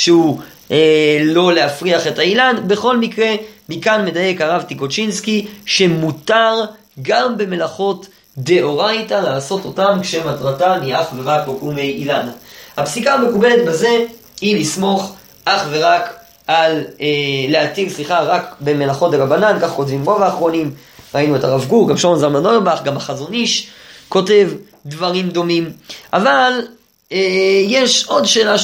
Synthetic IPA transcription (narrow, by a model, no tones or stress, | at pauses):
ʃeu | elo̞leafʁiaχe̞thailanbe̞χo̞lmikʁe̞mikanme̞daje̞kaʁavtiko̞t͡ʃinskiʃe̞mutaʁ | ɡambe̞me̞laχo̞t | d̪e̞ʔo̞ʁajtalaːso̞to̞tamkʃematʁatamiaχveʁakbokumejilanahapsikaːme̞kube̞le̞tbaze̞ | hilismo̞χ | ʔaχve̞ʁak | aleːeatilsʁiχaʁakbe̞melaχo̞teabanankaχko̞tvimʁovaːχʁo̞nim | ʁainuetaʁavɡuʁɡamʃomnzalmanoebaχɡamaχazo̞niʃko̞te̞v | dvaʁimd̪o̞mimʔaval | ejeʃo̞dʃe̞ːla